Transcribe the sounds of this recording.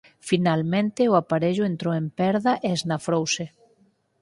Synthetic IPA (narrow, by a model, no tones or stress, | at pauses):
finalmẽnt̪ɪʊapaɾeʎʊent̪ɾoempɛɾðɐʔeeznafɾowse